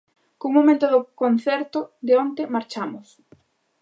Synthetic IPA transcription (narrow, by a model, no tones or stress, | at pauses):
kuŋmomẽnt̪ʊðʊkon̟θɛɾt̪ʊd̪ɪont̪emaɾt͡ʃamʊs